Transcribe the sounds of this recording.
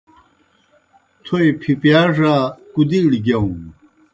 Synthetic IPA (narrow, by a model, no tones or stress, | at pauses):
t̪ʰojpʰipjaʐakud̪iɽiɡɐw̃